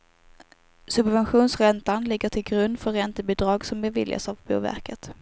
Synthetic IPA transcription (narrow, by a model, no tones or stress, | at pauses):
sɵbvɛnɧuːnsɾɛnt̪anlɪɡːəʈʰɪlɡɾɵnd̪fœɾːɛnt̪əbɪd̪ɾɑːɡsɔmbɛvɪ̰lja̰savbṵːvæ̰ɾkət̪